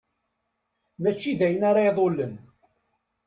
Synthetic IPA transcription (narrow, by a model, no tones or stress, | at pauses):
mæt͡ʃːiðæjənɑɾˤɑðˤolːən